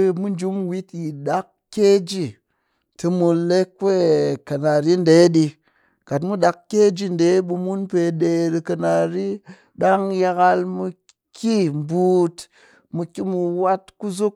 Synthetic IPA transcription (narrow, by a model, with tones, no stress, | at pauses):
mu˦n˦d͡ʒu˦mwi˦tji˨ɗa˦k | ke˦d͡ʒi˦˨ | tɨ˧mu˧le˦k̚pe˦ka˨na˨ɾi˦n̩˦de˨˦ɗi˧ | ka˨t̬mu˦ɗa˧kkʲːe˦d͡ʒi˦n̩˨de˨˦ɓu˧mu˦npe˧ɗe˧ɾi˧ka˧na˨ɾi˦ | ɗa˦ŋja˧ɣa˧lmu˧ | kʰi˦m˨bu˨t | mu˧kʲi˦mu˧wa˦tku˦zu˦k̚